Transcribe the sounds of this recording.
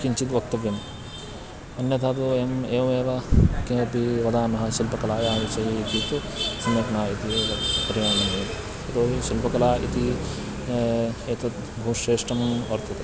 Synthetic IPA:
kiɲt͡ʃit̪ʋɐk̚t̪ɐʋjɐm | ɐnjɐt̪ʰaːt̪oːemeːʋɐmeːʋɐkeːpiɾɐd̪aːnɐɦɐʃilpɐkɐlaːjaːʋisɐɦiːt̪it̪usɐmjɐknaːit̪ipɐɾijaːnɐmeːt̪ | ɐt̪oːɦiʃilpɐkɐlaːḭt̪i | eːt̪ɐt̪ | bʱuːʂeːʂʈɐmɐɾt̪ɐt̪e

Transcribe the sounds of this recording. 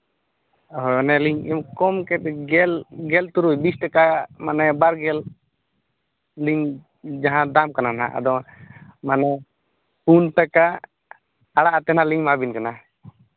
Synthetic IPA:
ɦɔɔnɛliɲimkɔmkɛt̪̚ɡɛlɡɛlt̪uɾujbisʈakamanɛbaɾɡɛl | iɲ | d͡ʒaɦãd̪amkanana̰ʔa̰d̪ɔ | manɛ | punt̪aka | aɽaʔt̪ɛnaliɲmabinkana

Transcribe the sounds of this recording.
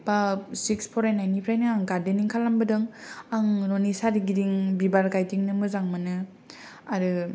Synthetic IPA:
b̥asikspʰɔɾajnajnipʰɾajnɯaŋɡadeniŋkʰalambɯdɯŋaŋɾonisaɾiɡidiŋbibaɾɡajdiŋnɯmɯzaŋmanɯ | aɾɯ

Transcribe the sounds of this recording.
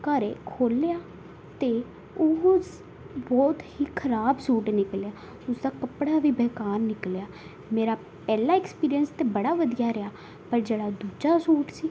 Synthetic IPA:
kəɾeːkʰoːljaː | t̪eː | ʊs | bɔːt̪hiːkʰəɾaːbsuːʈnɪkljaː | ʊsd̪aːkəpɽaːʋiːbɛːkaːɾnɪkljaː | meːɾaː | pɛːlaːɛkspiːɾijənst̪eːbəɽaːʋəd̪ijaːɾəjaː | pəɾd͡ʒeːɽaːd̪uːd͡ʒaːsuːʈsiː

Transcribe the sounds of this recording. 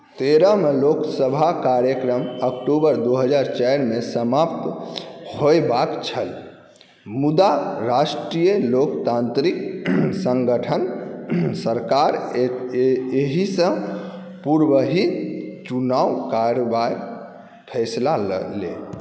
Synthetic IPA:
t̪eɾəmeloksəbʱakaɾjəkɾəməkʈubəɾd̪oɦəd͡ʒaɾt͡ʃajɾmesəmapt̪hoebakt͡ʃʰəl | mud̪aɾasʈɾijelokt̪ant̪ɾiksə̃ŋɡəʈʰən | səɾkaɾ | eɦisə̃ | puɾwəɦit͡ʃunawkaɾobai | pʰɛslal̰lḛ

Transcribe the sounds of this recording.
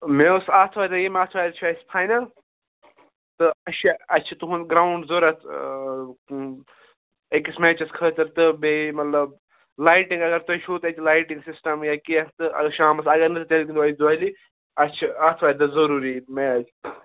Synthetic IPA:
meusaːt̪ʰʋaːjd̪ɐjemaːt̪ʰʋaːjd̪t͡ʃʰaːspʰaːjnɐ | t̪ɨɐʃʰaɐt͡ʃʰɐt̪uɦunɡɾaːuɳɖzoɾɐt̪ʰ | ekismeːt͡ʃɐskʰəːt̪ɐɾt̪ɨbemɐt̪lɐb | laːjʈĩŋɡɐɡɐɾt̪ɐt͡ʃʰut̪ɐt͡ʃilaːjʈĩŋɡsisʈɐmjakiɐtt̪ɨɐ̰ʃaːmɐsɐɡɐɾnɨt̪ɨt̪elkind̪ɐid̪uɐli | ɐt͡ʃʰɐaːt̪ʰʋaːd̪ɐzɐɾuːɾimed͡ʒ

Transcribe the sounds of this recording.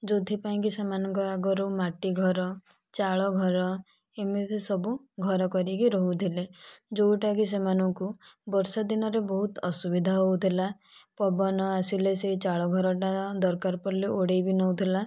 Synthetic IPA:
d͡ʒod̪ʱipaĩkisemanɔŋkɔaɡɔɾumaʈiɡʱɔɾɔ | t͡ʃaɭɔɡʱɔɾɔ | emit̪ʰesɔbuɡʱɔɾɔkɔɾikiɾɔɦut̪ʰiled͡ʒowʈakis̬emanɔŋkubɔɾsɔd̪inɔɾebɔɦut̪ɔsubid̪ʱaɦowt̪ʰila | pɔbɔnɔasileseɦit͡ʃaɭɔɡʱɔɾɔʈad̪ɔɾkaɾpɔɾliʔoɽejbinɔwt̪ʰila

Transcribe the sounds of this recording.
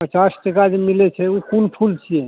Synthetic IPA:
pət͡ʃasʈəkad͡ʒemilet͡ʃʰɛukunpʰult͡ʃʰiɛ

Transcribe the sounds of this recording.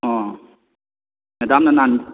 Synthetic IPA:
ɔ̃ | ned̪amnanan

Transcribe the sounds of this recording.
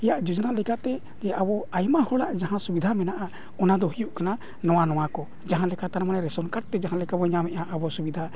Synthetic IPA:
ɛjaʔd͡ʒud͡ʒɔnalɛkat̪ɛ | d͡ʒɛʔabɔajmahɔɽaʔd͡ʒaɦãsubid̪ʱamɛnaʔa | ɔnad̪ɔɦijuʔkana | nɔwanɔwakɔ | d͡ʒaɦãlɛkat̪anɛmanɛɾɛsɔnkaʈ̚t̪ɛd͡ʒaɦãlɛkabɔɲamɛʔaʔabɔsubid̪ʱa

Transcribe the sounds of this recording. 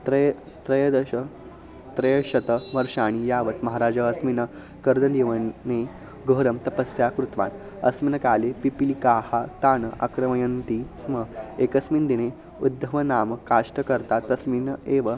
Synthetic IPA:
t̪ɾəj | t̪ɾəjəd̪əɕə | t̪ɾəjəɕɐt̪əʋəɾʂaɽ̃ijaʋət̪mɐɦaɾad͡zəɐsminə | kəɾd̪ɐndiʋəne | ɡʱəːɾəmt̪ɐpəsjakɾut̪ʋa̰n | ɐ̰sminəkaːlepipilikaːhat̪aːnəʔa̰kɾəməjənt̪isməekəsmiːnd̪ine | ud̪ːəʋənaːməkːaʂʈəkəɾt̪at̪ɐsmineʋə

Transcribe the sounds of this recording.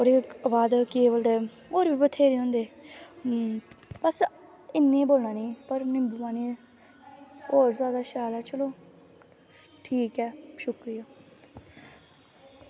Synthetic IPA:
oːɾeːəbaːd̪keːʋəld̪eːoːɾbʱiːbət̪ʰeːɾiːɦõːnd̪eː | bəs | ɪnːẽːboːlnaːnĩːpəɾnĩːbʊʋaːnĩː | oːɾzaːd̪aːʃaːlɛːt͡ʃəloː | ʈʰiːkɛːʃʊkɾɪjaː

